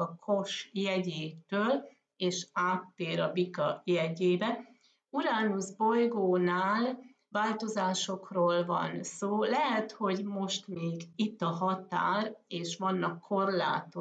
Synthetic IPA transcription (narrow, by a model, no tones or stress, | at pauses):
ɒkʰo̞ʃjɛɟeːt̪øːl | eːʃaːt̪ːeːɾɒbikɒjɛɟeːbɛ | uɾaːnuzbo̞jɡoːnaːl | vaːlt̪o̞zaːʃo̞kroːlvɒ̰nsoːlɛɦɛt̪ho̞ɟmo̞ʃt̪meːɡit̪ːɒɦɒt̪aːreːʃʋɒnːɒkʰːo̞rla̰ːt̪o